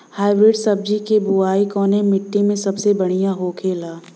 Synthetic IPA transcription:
haːɪbɾɪɖsɐb̚d͡ʒikebuaːikɔːnemɪʈːimẽsɐbsebɐɽ̃ijãɦokʰeːlaː

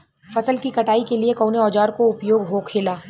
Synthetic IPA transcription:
fɐsəlkikɐʈaːikeliekoːneɔːd͡ʒaːɾkoʊpjoːɡɦoːkʰeːlaː

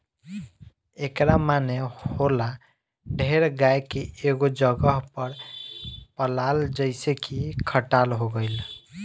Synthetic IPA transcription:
ekɾamanehola | ɖʱeɾɡajkeeɡod͡ʒəɡəɦpəɾ | pəlald͡ʒəɪsekikʰəʈalɦoɡəɪl

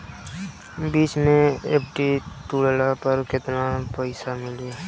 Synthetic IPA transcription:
biːt͡ʃmẽeːpʰʈit̪uːɽlapəɾkɪt̪napəɪsamɪleː

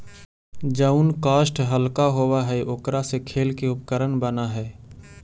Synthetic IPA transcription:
d͡ʒəʊnkaːʃʈɦəlkaɦowaɦɛʔʊkɾasekʰeːlkeʊpkəɾənbənaɦɛː

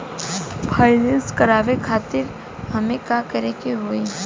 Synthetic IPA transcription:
pʰaːɪnẽnskɐɾaːʋekʰaːt̪ɪɾ | hɐmẽkakəɾekiɦoi

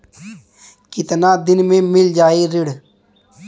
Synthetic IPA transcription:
kɪt̪naːd̪ɪnmẽːmɪld͡ʒaːeːɾɪɽ

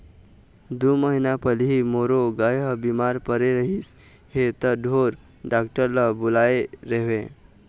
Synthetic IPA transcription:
d̪uməɦinapəlɦimoɾoɡajɦəbimaɾpəɾeɾəɦis | het̪əɖʱoɾ | ɖakʈəɾləbulaeɾeʋẽ

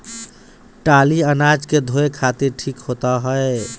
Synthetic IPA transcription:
ʈaliənad͡ʒked̪ʱoekʰat̪iɾʈʰikɦot̪aɦɔe

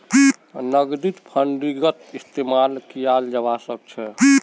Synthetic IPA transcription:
nəɡd̪it̪pʰəɳɖɾiɡət̪ist̪emalkijald͡ʒəbasək̚t͡ʃʰɛ

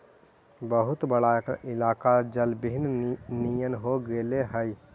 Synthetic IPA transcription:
bəɦʊt̪bəɽaɪlaːkad͡ʒəlbɪɦɪnnijənɦoɡeleɦəj

